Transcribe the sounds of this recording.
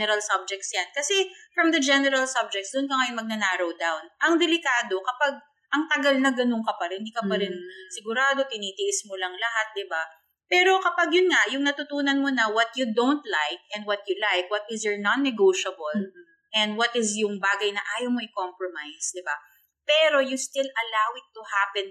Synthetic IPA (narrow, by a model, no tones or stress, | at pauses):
nɛɾɐlsɐb̚d͡ʒɛk̚t̪sjankɐsɛfɹɐmd̪ɐd͡ʒɛnɛɾɐlsɐb̚d͡ʒɛk̚t̪sd̪ʊnkɐŋɐjʊnmɐɡ̚nɐnaːɾowd̪awnʔɐŋd̪ɛlɪkaːd̪o̞kɐpaɡ̚ | ʔɐŋt̪ɐɡalnɐɡɐnoŋkɐpɐlɐhɪnd̪iːkɐpɐɾɪnsɪɡʊɾaːd̪o̞t̪ɪniːt̪ɪʔɪsmolɐŋlɐɦat̪̚d̪ɪba | pɛːɾo̞kɐpɐɡjʊnŋaʔjʊŋnɐt̪ʊt̪uːnɐnmonɐwɐt̪̚jud̪õwnt̪lajk̚ɛ̃nd̪̚wɐt̪̚jʊlajkwɐt̪ɪsjoɹnanːɛɡowʃɐbɐl | ʔɛnd̪̚wɐt̪ɪsjʊŋbaːɡɐjnɐʔaːjomoʔɪkompɹomajsd̪ɪba | pɛːɾo̞just̪ɪlʔɐlawɪt̪ːuhaːpɛ̃n